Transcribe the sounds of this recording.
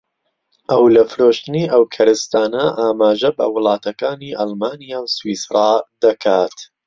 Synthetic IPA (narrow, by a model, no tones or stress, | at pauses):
ʔɐwlɐfɨɾoːʃt̪ɨniːʔɐwkʰɐɾɨst̪aːnɐʔaːmaːʒɐbɐ̰wɨlˠɑːt̪ʰɐkaːniːʔɑlmaːnijaːwswiːsrˤaːd̪ɐkʰaːt̪